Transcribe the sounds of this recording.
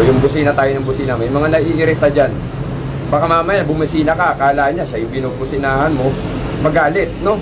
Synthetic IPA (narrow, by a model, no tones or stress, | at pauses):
jʊŋbʊsiːnɐt̪aːjonɐŋbʊsiːnɐmɐjmɐŋanɐiʔɪɾɪt̪ad͡ʒan | baːkamaːmɐjanbʊmɐsiːnɐkakaːlaːhɐnɲaʃajʊŋbɪnobʊsɪnaːhɐnmo̞ | mɐɡaːlɪt̪̚no̞